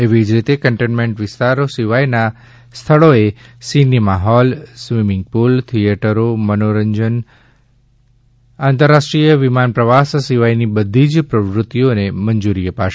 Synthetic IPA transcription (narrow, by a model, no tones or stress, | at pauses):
eʋid͡ʒɾit̪ekəɳʈenmẽɳʈʋɪst̪aɾosiʋajna | st̪ʰəɭoesinimaɦɔlsʋimɪŋɡ̚pult̪ʰieʈəɾomənoɾəɲd͡ʒən | ãnt̪əɾːaʃʈɾijəʋimanpɾəʋassiʋajnibəd̪ʱid͡ʒpɾəʋɾʊt̪ːijonemənd͡ʒuɾiəpaʃ